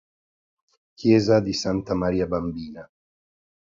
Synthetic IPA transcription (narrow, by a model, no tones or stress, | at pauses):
kjɛːzad̪isant̪amaɾiːabambiːna